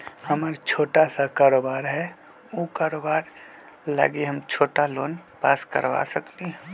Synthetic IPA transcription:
həmaɾt͡ʃʰoːʈasakaːɾoːbaːɾɦɛ | okaːɾoːbaːɾ | la̰ɡeɦəmt͡ʃʰoːʈaloːnpa̰ːskə̰ɾʋa̰səkliɦ

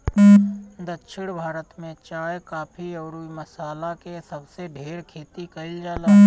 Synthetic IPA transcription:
d̪ətːʃʰɪɽ̃bʱaːɾət̪mẽt͡ʃaːjkaːpʰiɔːɾuiməsaːlakesəbseɖʱeːɾkʰeːt̪ikəɪld͡ʒaːlaː

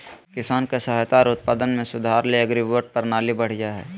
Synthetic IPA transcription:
kɪsaːnkesəɦat̪aːɾʊt̪̚paːd̪ənmẽsʊd̪ʱaːɾleɐɡɾiʋəɾʈ̚pɐɾnaːlibɐɽ̤jaɦɛː

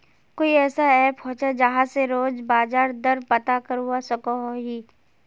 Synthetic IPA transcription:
koːiɛːsaɛːpɦõːt͡ʃad͡ʒɐɦãseɾoːd͡ʒbaːzaːɾd̪ɐɾpɐt̪akəɾɦuasɐkoɦoɦiː

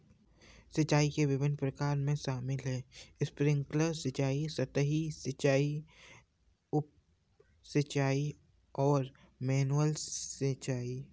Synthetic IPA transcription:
sɪt͡ʃaːikeʋɪʋɪnpɾɐkaːɾmẽʃaːmɪlɦɛːɪspɾɪ̃ŋkləɾsɪt͡ʃaːisɐt̪əɦisɪt͡ʃaːi | ʊp̚ | sɐt͡ʃaːi | ɔːɾ | mɛːnuəlsɪt͡ʃaːi

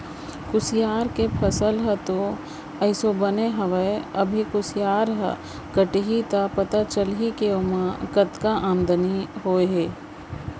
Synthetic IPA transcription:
kʊsjaːɾkepʰɐsəlɦət̪o | əɪsobəneɦɐʋəeɐbʱikʊsijaːɾɦə̰ | kəʈiɦit̪apɐt̪at͡ʃəlɦikeomãkɐt̪kaʔaːmd̪əniɦoːeɦeː

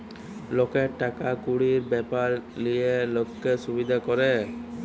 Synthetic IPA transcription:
lokeʈakakuɽiɾbɛpaɾlijelokːesubid̪ʱakɔɾɛ

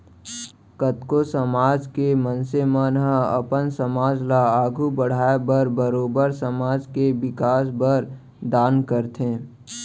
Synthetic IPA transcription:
kət̪kosəmaːd͡ʒkemənsemənɦəə̰pənsəmaːd͡ʒlaaːɡʱubəɽ̤aːebəɾbəɾoːbəɾsəmaːd͡ʒkebɪkaːsbəɾ | d̪aːnkəɾt̪ʰẽː

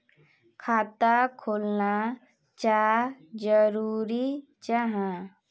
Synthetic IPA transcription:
kʰaːt̪akʰoːlna | t͡ʃad͡ʒəɾuːɾi | t͡ʃaɦã

